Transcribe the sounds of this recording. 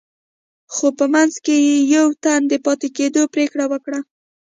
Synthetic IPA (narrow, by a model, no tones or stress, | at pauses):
xopəmanzkejejawt̪and̪əpɑt̪eked̪opɾekɽawəkɽa